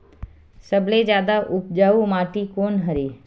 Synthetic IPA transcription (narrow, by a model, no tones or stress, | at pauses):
səbled͡ʒjaːd̪aʔʊpd͡ʒaːumaːʈikoːnɦəɾeː